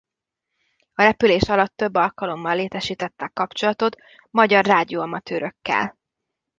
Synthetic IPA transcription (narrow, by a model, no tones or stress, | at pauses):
ɒɾɛpyleːʃɒlɒt̪ːø̞bːɒlkɒlo̞mːɒlːeːt̪ɛʃiːt̪ɛt̪ːɛkːɒpt͡ʃo̞lɒt̪o̞t̪ | mɒɟɒrraːd̪ioːɒmɒt̪øːɾø̞kːɛ̰l